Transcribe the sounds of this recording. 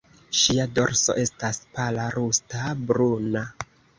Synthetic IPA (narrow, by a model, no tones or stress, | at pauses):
ʃiado̞ɾso̞̰ʔe̞staspalaɾustabɾuna